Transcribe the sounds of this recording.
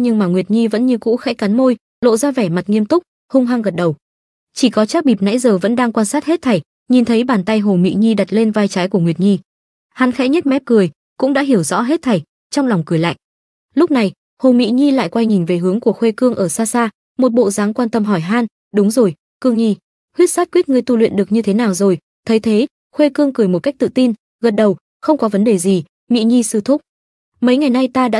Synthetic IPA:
ɲɨ˧ŋmaː˨˩ŋwi˨˩ət̚ŋi˧və̰˧˥nɲɨ˧kṵ˧˥xɛ̰˧˥jka˨˦nmo˧j | lo̰˧˨zaː˧vɛ˧˩ma˨˩t̚ŋi˧əmt̪ʊ˦˥k͡p̚ | hʊ˧ŋ͡mɦaː˧nɣə˨˩t̚ɗə˨˩w | t͡ɕi˧˩kɔ˨˦t͡ɕaː˦˥k̚ɓi˨˩p̚na̰˧˥jzəː˨˩və̰˧˥nɗaː˧ŋkwaː˧nsaː˦˥t̚he˦˥t̚t̪ʰa˨˩j | ɲi˨˩nt̪ʰə˨˦jɓaː˨˩nt̪a˧jɦo˨˩mḭ˧˨ɲi˧ɗa˨˩t̚le˧nvaː˧jt͡ɕaː˨˦jku˧˩əŋwi˨˩ət̚ŋi˧ | ha˨˦nxɛ˧˦˥ɲə˦˥t̚mɛ˦˥p̚kɨ˨˩əj | kʊ̰˧˥ŋ͡mɗa̰ː˧˥ɦi˧˩əwzɔ̰˧˥ɦe˦˥t̚t̪ʰa˨˩j | t͡ɕɔ˧wŋ͡mla˨˩wŋ͡mkɨ˨˩əjla̰ː˧˨jʔ | lʊ˦˥k͡p̚na˨˩j | ho˨˩mḭ˧˥ɲi˧la̰ː˧˨jkwa˧jŋï˨˩ŋ̟ve˨˩ɦɨ˨˦əŋku˧˩əxwe˧kɨ˧əŋʔəː˧˩saː˧saː˧ | mo˨˩t̚ɓo̰˧˨zaː˨˦ŋkwaː˧nt̪ə˧mɦɔ˧˩jɦaː˧n | ɗʊ˨˦ŋ͡mzo˨˩j | kɨ˧əŋɲi˧ | hwi˦˥ət̚saː˦˥t̚kwi˦˥t̚ŋɨ˧˩əjt̪u˧lwḭ˧˨nɗɨ˨˩ək̚ɲɨ˧t̪ʰe˨˦naː˨˩wzo˨˩j | t̪ʰə˨˦jt̪ʰe˨˦ | xwe˧kɨ˧əŋkɨ˨˧˩əjmo˨˩t̚ka˦˥jk̚t̪ɨ̰˧˨t̪i˧n | ɣə˨˩t̚ɗə˨˩w | xə˧wŋ͡mkɔ˨˦və˨˦nɗe˨˩zi˨˩ | mḭ˧˥ɲi˧sɨ˧t̪ʰʊ˦˥k͡p̚ | mə˨˦jŋa˨˩jna˧jt̪aː˧ɗa̰ː˧˥

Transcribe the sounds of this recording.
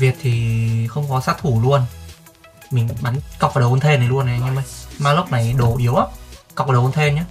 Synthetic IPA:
vi˨˩ət̚t̪ʰi˨˩xə˧wŋ͡mkɔ˨˦saː˦˥t̚t̪ʰu˧˩lu˧ən | mï˨˩ŋ̟ɓa˨˦nka˨˩wk͡p̚aː˨˩ɗə˨˩wʔnt̪ʰe˧nːa˨˩˦lu˧ənʔa˨˦ɲɨ˧ma˨˩jmaː˧lo˦˥k͡p̚na˨˩jɗo˨˧˩ʔi˨˦əwʔa˦˥p̚ka˨˩k͡p̚aː˨ɗə˨˩˨o˧nt̪ʰe˧nɲa˨˦

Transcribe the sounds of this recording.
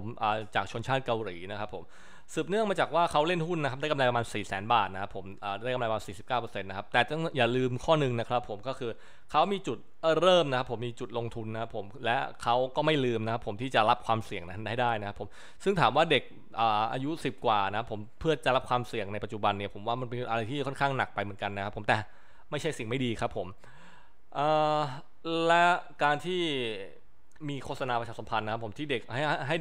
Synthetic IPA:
mʔəː˨˩t͡ɕaː˨˩k̚t͡ɕʰo˧nt͡ɕʰaː˥˩t̪̚ka˧wɾiː˩˦na˦˥kʰa˦˥pʰːo˩˦m | sɯː˨˩p̚nɯ˥˩əŋmaː˧t͡ɕaː˨˩k̚waː˥˩kʰa˦˥wle˥˩nhu˥˩nːa˦˥k̚ʰda˥˩ka˧mla˧jpa˧maː˧nsiː˨˩sɛː˩˦nbaː˨˩t̪̚na˦˥kʰa˦˥pʰːo˩˦mʔaː˨˩daː˥˩kamla˧jpːmːaː˧siː˨˩si˨˩p̚kaː˥˩wpɤː˧se˧nːa˦˥kʰa˦˥p̚t̪ɛː˨˩t̪jaː˨˩lɯː˧mkʰɔː˥˩nɯ˨˧ŋna˦˥kʰɾa˦˥pʰːo˩˦mkɔː˥˩kʰɯː˧ | kʰa˦˥wmiː˧t͡ɕu˨˩t̪̚ʔːɾɤː˥˩mna˦˥kʰa˦˥pʰːo˩˦mːiː˧t͡ɕu˨˩t̪̚lo˧ŋt̪ʰu˧nːa˦kʰa˦˥pʰːo˩˦mlɛ˦˥kʰa˦˥wkɔː˥˩ma˥˩jlɯː˧mna˥kʰa˦˥pʰo˩˦mt̪ʰiː˥˩t͡ɕa˨˩la˦˥p̚kʰwaː˧msi˨˩əŋna˦˥˩daː˥˩jna˦˥kʰa˦˥pʰːo˩˦m | sɯ˥˩ŋt̪ʰaː˩˦mwaː˥˩de˨˩k̚ | ʔaː˨˩ʔa̰ː˧ju˦˥si˨˩p̚kwaː˨˩na˦kʰa˦˥pʰːo˩˦mpʰɯ˥˩ɐt͡ɕa˨˩la˦˥p̚kʰwaː˧msi˨˩əŋna˧jpa˨t̪̚t͡ɕu˨˩ba˧nːi˥˩pʰo˩˦mwaː˥˩ma˧npe˧nʔa˧ɾa˧jt̪ʰiː˥˩kʰɔ˥˩nkʰaː˥˩ŋna˨˩k̚pa˧jmɯ˩˦ənka˧nːa˦˥kʰpʰːo˩˦mt̪ɛː˨˩ | ma˥˩jt͡ɕʰa˥˩jsi˨˩ŋma˥˩jdiː˧kʰa˦˥pʰːo˨˩˦m | ʔaː˨˩ | lɛ˦˥kaː˧nt̪ʰiː˥˩ | miː˧kʰoː˥˩sa˧naː˧pɾʰaː˧˩sa˩˦pʰa˧nːa˦kʰa˦˥pʰːo˩˦mt̪ʰiː˥˩de˨˩k̚a˥˩˥ɦa˥˩j

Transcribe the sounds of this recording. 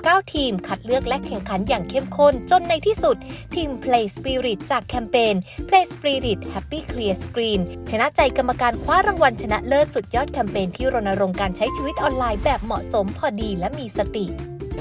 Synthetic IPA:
kaː˥˩wt̪ʰiː˧mkʰa˨˩t̪̚lɯ˥˩ək̚lɛ˦˥kʰɛ˨˩ŋkʰa˩˦njaː˨˩ŋkʰe˦˥˩mkʰo˥˩nt͡ɕo˧nːa˧jt̪ʰiː˥˩su˨˩t̪̚t̪ʰːiː˧mpʰleː˧spiː˧ɾi˨˩t̪̚t͡ɕaː˨˩kʰːɛː˧mpeː˧npʰleː˧spɾiː˧ɾi˨˩t̪̚hɛ˦˥pːiː˥˩kʰli˧əskɾiː˧nt͡ɕʰa˧na˦˥ʔt͡ɕa˧jka˧mːa˧kaː˧nkʰwaː˦˥ɾa˧ŋwa˧nt͡ɕʰa˧na˦˥ʔlɤː˥˩k̪̚su˨˩t̪̚jɔː˥˩t̪̚kʰɛː˧mpeː˧nt̪ʰiː˥˩ɾo˧nːʔa˧ɾo˧ŋkaː˧nt͡ɕʰa˦˥jt͡ɕʰiː˧wi˦˥t̪̚ʔɔː˧nlaː˧jbɛː˨˩p̚mɔ˨˩ʔso˩˦mpʰɔː˨˩diː˧lɛ˦˥miː˧sa˧t̪i˨˩ʔ

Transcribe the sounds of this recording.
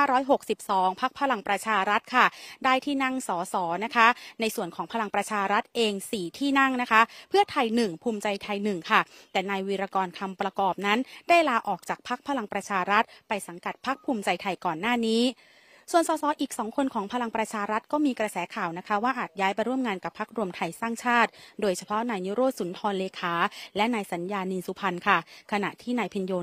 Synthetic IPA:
a˥˩ɾɔː˦˥jɦo˨˩k̚si˨˩p̚sɔː˩˦ŋpʰa˦˥k̚pʰa˧la˧ŋpɾa˧t͡ɕʰaː˧ɾa˦˥t̪̚kʰa˥˩daː˥˩jt̪ʰiː˥˩na˥˩ŋsɔː˩˦sɔː˩˦na˦˥kʰa˦˥na˧jsu˨˩ənkʰɔː˩˦ŋpʰa˧la˧ŋpɾa˧t͡ɕʰaː˧ɾa˦˥t̪̚ʔeː˧ŋsiː˨˩t̪ʰiː˥˩na˥˩ŋna˦˥kʰa˦˥pʰɯ˥˩ət̪ʰa˧jnɯ˨˩ŋpʰuː˧mt͡ɕa˧jt̪ʰa˧jnɯ˨˩ŋkʰa˥˩t̪ɛː˨˩na˧jwiː˧ɾaː˧kɔː˧nkʰa˧mpɾa˧kɔː˨˩p̚na˦˥nda˥˩jlaː˧ʔɔː˨˩k̚t͡ɕaː˨˩k̚pʰa˦˥k̚pʰa˧la˧ŋpɾa˧t͡ɕʰaː˧ɾa˦˥t̪̚pa˧jsa˩˦ŋka˨˩t̪̚pʰa˦˥k̚pʰuː˧mt͡ɕa˧jt̪ʰa˧jkɔː˨˩nːaː˥˩niː˦˥ | su˨˩ənsɔː˩˦sɔː˩˦ʔiː˨˩k̚sɔː˩˦ŋkʰo˧nkʰɔː˩˦ŋpʰa˧la˧ŋpɾa˧t͡ɕʰaː˧ɾa˦˥t̪̚kɔː˥˩miː˧kɾa˧sɛː˩˦kʰaː˨˩wna˦˥kʰa˦˥waː˥˩ʔaː˨˩t̪̚jaː˦˥jpa˧jɾu˥˩əmŋaː˧nka˨˩pʰːa˦˥k̚ɾu˧əmt̪ʰa˧jsaː˥˩ŋt͡ɕʰaː˥˩t̪̚doː˧jt͡ɕʰa˧pʰɔ˦˥naː˧jniː˦˥ɾoː˥˩t̪̚su˨˩˦nt̪ʰɔː˧nleː˧kʰaː˩˦lɛ˦˥naː˧jsa˩˦njaː˧niː˧nsu˧˥pʰa˧nkʰa˥˩kʰa˧na̰˨˩ʔt̪ʰiː˥˩naː˧jpʰi˧njoː˧

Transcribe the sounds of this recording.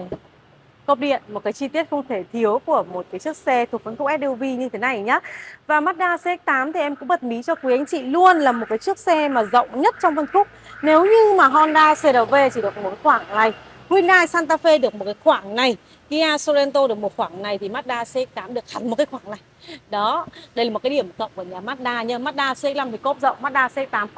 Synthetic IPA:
ko˦˥p̚ɗḭ˧˨ənmo˨˩t̚kaː˨˦jt͡ɕi˧t̪i˦˥ət̚xə˧wŋ͡mt̪ʰe˧˩t̪ʰi˨˦əwku˧˩əmo˨˩t̚kaː˨˦jt͡ɕɨ˦˥ək̚sɛ˧t̪ʰu˨˩ə˩k̚ə˧˦nkʊ˦˥k͡p̚ɛ˦˥p̚ɗi˧wvi˧ɲɨ˧t̪ʰe˨˦na˨˩jɲaː˨˦vaː˨˩maː˦˥t̚ɗaː˧se˧ɛ˦˥k̚t̪aː˨˦mt̪ʰi˨˩ʔɛ˧mkʊ̰˧˥ŋ͡mɓə˨˩t̚mi˨˦t͡ɕɔ˧kwi˨˦a˨˦jŋ̟t͡ɕḭ˧˨lu˧ənlaː˨˩mo˨˩t̚kaː˨˦t͡ɕɨ˦˥ək̚sɛ˧maː˨˩zə̰˧˨wŋ͡mɲə˦˥t̚t͡ɕɔ˧wŋ͡mfə˧nfʊ˦˥k͡p̚ne˨˦wɲɨ˧maː˨˩ɦɔ˧nɗaː˧se˧ɗə˨˩ve˧t͡ɕi˨˩ɗɨ˨˩ək̚m̚˨˩kaː˨˦xwaː˧˩ŋna˨˩j | kwi˧nlaː˧jsaː˧nt̪aː˧fe˧ɗɨ˨˩ək̚mo˨˩t̚kaː˨˦jxwaː˧˩ŋna˨˩j | ki˧˦ʔaː˧so˧zɛ˧nt̪o˧ɗɨ˨˩ək̚mo˨˩t̚xwaː˧˩ŋna˨˩jt̪ʰi˨˩maː˦˥t̚ɗaː˧se˧˦˥k̚t̪aː˨˦mɗɨ˨˩ək̚ha˨˩nmo˨˩t̚kaː˨˦xwaː˧˩ŋna˨˩jɗɔ˨˦ɗə˧jla˨˩o˨˩t̚kːji˧˩əm˨˩kə̰˧˨wŋ͡mkə˧˩ɲaː˨˩maː˦˥t̚ɗaː˧ɲa˨˦maː˦˥t̚ɗaː˧se˧˦˥k̚la˧mt̪ʰi˨˩ko˦˥p̚zə̰˧˨wŋ͡mma˦˥t̚ɗaː˧se˧˦˥k̚t̪aː˨˦m

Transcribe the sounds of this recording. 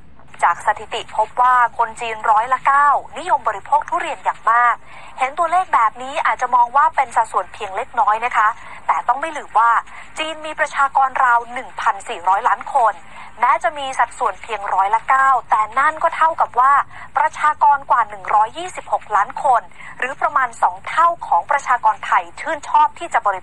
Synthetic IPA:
t͡ɕaː˨˩k̚sa˧t̪ʰi˨˩t̪i˨˩pʰo˦˥p̚waː˥˩kʰo˧nt͡ɕiː˧nɾɔː˦˥jla˧˥kaː˥˩wni˦˥jo˧mbɔː˧ɾi˦pʰoː˥˩k̚t̪ʰuː˥˩˨ɾi˧ənjaː˨˩ŋmaː˥˩k̚ | he˩˦nt̪u˧əleː˥˩k̚bɛː˨˩p̚niː˦˥ʔaː˨˩t̪̚t͡ɕa˨˩mɔː˧ŋwaː˥˩pe˧nsa˨˩t̪̚su˨˩ənpʰi˧əŋle˦˥k̚nɔː˦˥jna˦˥kʰa˦˥ | t̪ɛː˨˩t̪ɔ˥˩ŋma˥˩jlɯː˨˩mwaː˥˩ | t͡ɕiː˧nmiː˧pɾa˧t͡ɕʰaː˧kɔː˧nɾaː˧wnɯ˨˩ŋpʰa˧nsiː˨˩ɾɔː˦˥jlaː˦˥nkʰo˧n | mɛː˦˥wt͡ɕa˨˩miː˧sa˨˩t̪̚su˨˩ənpʰi˧əŋɾɔː˦˥jla˧˥kaː˥˩wt̪ɛː˨˩na˥˩nkɔː˥˩t̪ʰa˥˩wka˨˩p̚waː˥˩ | pɾa˧t͡ɕʰaː˧kɔː˧nkwaː˨˩nɯ˨˩ŋɾɔː˦˥jːiː˥˩si˨˩p̚ho˨˩k̚laː˦˥nkʰo˧n | ɾɯː˩˦pɾa˧maː˧nsɔː˩˦ŋt̪ʰa˥˩wkʰɔː˩˦ŋpɾa˧t͡ɕʰaː˧kɔː˧nt̪ʰa˧jt͡ɕʰɯː˥˩nt͡ɕʰɔː˥˩p̚t̪ʰiː˥˩t͡ɕa˨˩bɔː˧ɾi˧

